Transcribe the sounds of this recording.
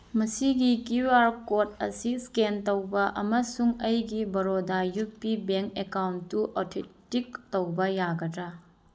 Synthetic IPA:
mɐsiɡikiwaɾkot̚ɐ̰siskentowbɐʔɐmɐsuŋɐjɡibɐɾodajupːibeŋkekawntːuʔɔtʰetik̚towbɐjaɡɐdɾa

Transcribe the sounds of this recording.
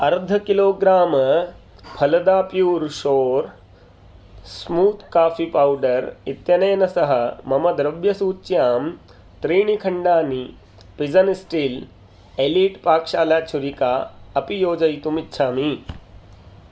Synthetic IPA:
ɐɾd̪ʱɐkiloːɡɾaːmɐ | pʰɐlɐd̪aːpjuːɾʃoːɾ | smuːt̪ʰkaːfipawɖɐɾit̪jɐneːnɐsɐɦɐmɐmɐd̪ɾɐbjɐsuːt͡ʃːjaːm | t̪ɾiːɳ̃ikʰɐɳɖaːni | pid͡zɐnisʈiːl | eliːʈpaːkʂaːljaːt͡ʃʰuɾikaːɐpijoːd͡ʒɐjt̪umitːɕʰaːmi

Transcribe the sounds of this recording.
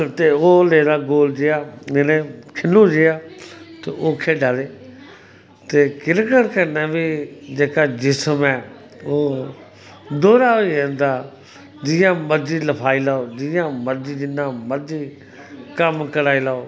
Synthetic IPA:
t̪eːoːleːd̪aːɡoːld͡ʒejaːɪnẽːkʰɪnːuːd͡ʒejaːt̪eʔoːkʰeːɖaːleː | t̪eːkɪɾkəɽkʰenɛ̃ːbiːd͡ʒeːkaːd͡ʒɪsəmɛː | oː | d̪oːɾaːoiẽːnd̪aː | d͡ʒɪːjãːməɾd͡ʒiːləpʰaːiːlaːoːd͡ʒijãːməɾd͡ʒiːd͡ʒɪnãːməɾd͡ʒiː | kəmkəɾaːiːlaːoː

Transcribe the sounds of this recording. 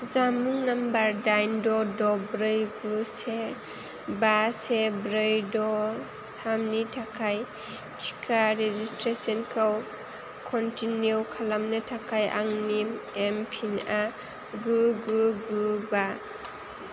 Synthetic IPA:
zamuŋnambaɾdajndɔdɔbɾɯjɡuse | basebɾɯjdɔ | tʰamnitʰakʰaj | tʰi̥kʰaɾezistɾesɔnkʰaw | kʰɔntinjukʰalamnɯtʰakʰajʔa̰ŋniempʰina | ɡuɡuɡuba

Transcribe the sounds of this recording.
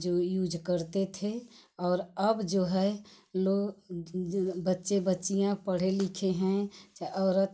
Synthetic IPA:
d͡ʒoːjuːd͡ʒkəɾt̪et̪ʰeɔːɾəbd͡ʒoːɦɛloːɡ | bətːʃebətːʃijãpəɽ̤elɪkʰeɦɛ̃t͡ʃɔːɾət̪

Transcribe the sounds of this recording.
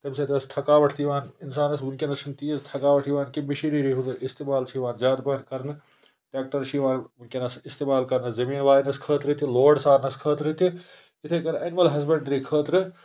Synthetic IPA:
t̪ɐbset̪ʰeɐst̪ʰɐkaːʋɐʈʰt̪ʰiʋãːninsaːnɐs̬ʋunkenɐʃɐnt̪iːɐst̪ʰɐkaːʋɐʈʰiʋaːnkimiʃiɾiɾiɦut̪ɪst̪eːmaːlt͡ʃʰiʋaːnzʲjaːd̪pɐnkɐɾnɨ | ʈeːk̚ʈɐɾt͡ʃʰiʋãːnunkʲenɐsɪst̪eːmaːlkɐɾnɨzɐmiːnʋaːjinɐskʰəːt̪ɾɨt̪ʰiloːɖsaːɾnɐskʰəːt̪ɾɨt̪ʰi | ɪt̪ʰekɐnʔɐnmɐlɦɐzbeɳɖɾikʰəːt̪ɾɨ

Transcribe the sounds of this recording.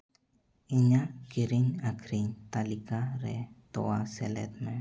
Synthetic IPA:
iɲakiɾiɲakʰɾiɲt̪alikaɾet̪owaselḛt̪̚me

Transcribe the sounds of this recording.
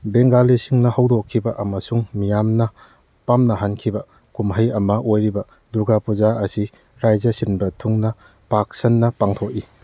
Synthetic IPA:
beŋɡalisiŋnɐhɐwdokʰːibɐʔɐmɐsuŋmijamnɐ | pamnɐɦankʰibɐ | kumɦɐjɐmɐʔojɾibɐ | duɡapuzaɐsi | ɾajzɐsinbɐtʰuŋnɐ | pak̚sɐnːɐpaŋtʰoki

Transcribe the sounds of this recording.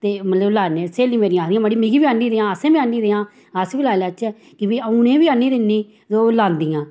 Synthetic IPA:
t̪eːmət̪ləblaːneːseːliːmeːɾĩːaːkʰd̪ijãːməɽiːmĩɡiːʋiːaːnːiːd̪eːãːəsẽːbiaːniːd̪eːãː | əsbiːlaːlaːt͡ʃɛ | kɪʋiːəunẽːʋiːaːnːiːd̪ɪnːiː | zoːlãːnd̪ɪjãː

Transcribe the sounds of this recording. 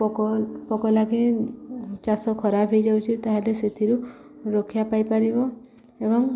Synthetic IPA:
pɔkɔpɔkɔlaɡi | t͡ʃasɔkʰɔɾabʱejd͡ʒawt͡ʃʰit̪aɦeleset̪ʰiɾu | ɾokʰjapajpaɾibɔ | ebɔŋ

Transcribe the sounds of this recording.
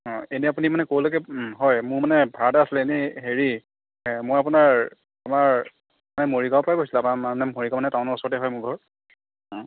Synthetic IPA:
ɔ̃eniapunimanɛkowlokɛɦɔjmʊɹmanɛbʱaɹtaasilɛenɛɦeɹi | mojapunaɹ | amaɹ | manɛmoɹiɡawpɹajkosilaaamanɛmoɹiɡamanɛtaʊ̃nɔɹusɔɹtɛɦɔjmʊɹɡʱɔɹ | ɔ̃

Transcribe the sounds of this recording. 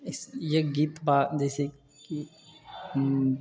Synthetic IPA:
ɪsjeɡit̪baːd͡ʒɛːse | ki | m

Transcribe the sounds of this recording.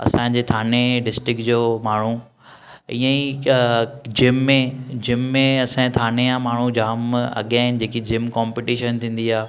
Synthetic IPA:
ɐ̰sãɲd͡ʑeːt̪ʰaːneɖɪsʈɾɪkd͡ʑoːmaːɳ̤u | ĩːə̃i | d͡ʑɪmːẽd͡ʑɪmːẽɐsãt̪ʰaːnejãmaːɳ̤ud͡ʑaːmɐ̰ɠiaːɦɪnɪ̆d͡ʑeːkid͡ʑɪmkɔːmpiʈiːʃənt̪ʰĩːn̆d̪iaː

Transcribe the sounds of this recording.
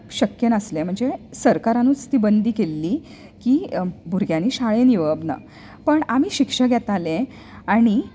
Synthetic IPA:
ɕəkjənəslẽm̤əɳd͡zesəɾkaɾanũːt͡st̪iːbənd̪iːkelːiː | kiːbʱuɾɡʱjãniːɕaɭeniʋəbnə̰ | pəɳamiːɕikʂəɡʱjɛt̪alẽ | aɽ̃i

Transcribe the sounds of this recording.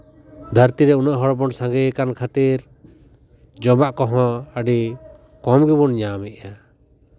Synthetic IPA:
d̪ʱəɾt̪iɾɛunaʔɦɔɽbɔɳsãŋɡɛjkankʰat̪iɾ | d͡ʒɔbaʔkɔɦɔ̃əɖi | kɔmɡibunɲamiʔ̪̚ja

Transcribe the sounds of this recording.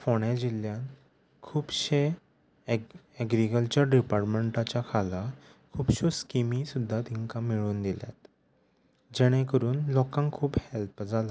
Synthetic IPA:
foɽ̃ad͡ʑiljãn | kʰuːbɕe | ɛɡɾikəlt͡ɕəɾɖipaɾʈmeɳʈat͡ɕjakʰala | kʰuːbɕoskimisud̪ʱːat̪iŋkamiɭuːnd̪ilja̰t̪ | d͡ʑɛɽ̃ẽkəɾuːnlɔkãŋkʰuːbhelpd͡zʱala

